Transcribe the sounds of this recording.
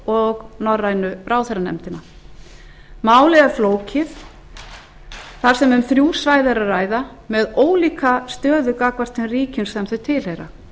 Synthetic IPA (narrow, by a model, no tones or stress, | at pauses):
ɔɣnɔrːajnʏrʔaːwθeɾanɛ̰mt̪ɪna | maːwlɛɣafloːwcɪθ | θaɾ̥sɛmʏmθɾjuːsvaːjðaɾaðraːjða | mɛðoːwliːkast̪œːðʏkakvar̥t̪ɪnriːcʏnsθɛmθœt̪ʰɪlhejɾa̰